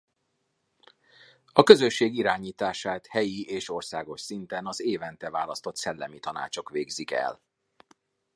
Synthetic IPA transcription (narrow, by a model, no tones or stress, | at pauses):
ɒkøzø̞ʃːeːɡiɾaːɲiːt̪aːʃaːt̪hɛjieːʃo̞rsaːɡo̞ʃsint̪ɛnɒzeːvɛnt̪ɛvaːlɒst̪o̞t̪sɛlːɛmit̪ɒna̰ːt͡ʃo̞kʋeːɡzikɛ̰l